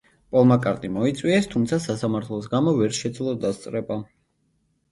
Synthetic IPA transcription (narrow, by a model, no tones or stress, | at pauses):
pʼɔlˠmakʼaɾt̪ʼimɔit̪sʼwiɛst̪ʰumt̪sʰasasamaɾt̪ʰlˠɔsɡamɔvɛɾʃɛd̪zlˠɔd̪ast̪sʼɾɛba